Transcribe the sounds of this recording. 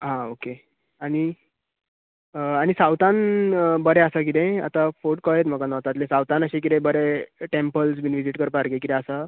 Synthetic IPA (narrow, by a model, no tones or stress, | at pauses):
ɦãoke | aɽ̃i | añisawt̪anbəɾeəsak̬id̪ẽa̰t̪afoʈkəjet̪m̤əɡanəʋt̪at̪lẽsawt̪anəɕek̬id̪ẽbəɾeʈempəls̬binʋid͡ʑiʈkəɾpaɾɡekit̪ẽəsa